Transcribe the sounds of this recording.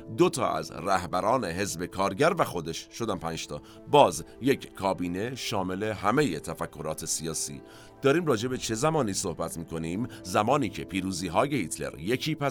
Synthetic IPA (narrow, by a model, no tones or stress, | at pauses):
d̪ot̪ʰɒ̰ːʔæ̰zræhbæɾɒːne̞ɦe̞zbe̞kʰɒːɾɟæɾvæxo̞d̪e̞ʃʃo̞d̪æmpʰæːnd͡ʒt̪ɒː | bɒːzje̞cʰkʰːɒːbiːne̞ʃɒːme̞le̞ɦæme̞jet̪ʰæfækʰːo̞ɾɒːt̪ʰe̞siɒːsḭː | d̪̥ɒːɾiːmrɒːd͡ʒe̞be̞t͡ʃʰe̞zæmɒːniːso̞hbæt̪ʰmiːkʰo̞niːmzæmɒːniːcʰe̞pʰiːɾuːziːɦɒːjehit̪ʰle̞̰ɾje̞cʰiːpʰæ